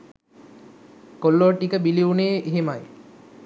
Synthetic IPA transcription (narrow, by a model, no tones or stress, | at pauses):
kolːoːʈikəbiliuneːʔeɦemaj